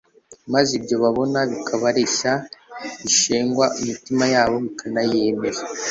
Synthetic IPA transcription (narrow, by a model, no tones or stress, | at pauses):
mazibjo̞βaβo̞naβikʰaβaɾeʃaβiʃeːŋɡwaʔimitimajaːβo̞βikʰanajeme̞ɾa